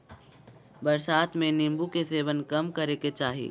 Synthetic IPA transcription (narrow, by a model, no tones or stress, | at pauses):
bəɾsaːt̪mẽnɪmbukeseːʋənkɐmkəɾeket͡ʃaːɦḭː